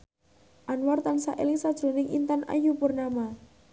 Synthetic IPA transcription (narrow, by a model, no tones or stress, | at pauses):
ʔanwart̪ansaʔḛlɪŋsad̥ʒ̥ɾo̤nɪŋʔḭnt̪anʔa̰jupʊrnama